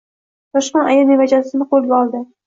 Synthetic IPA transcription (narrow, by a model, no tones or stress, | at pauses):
t̪ɒʃqɑnajanevad͡ʒasɪnɪqʰolˠɡʲaɒlˠd̪ɪ